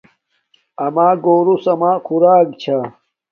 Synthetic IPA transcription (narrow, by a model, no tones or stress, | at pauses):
ɐmaːɡoːɾusɐmaːkʰuɾaːɡt͡ɕʰa